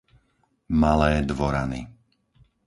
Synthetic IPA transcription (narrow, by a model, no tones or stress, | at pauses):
malɛːd̪ʋɔɾanḭ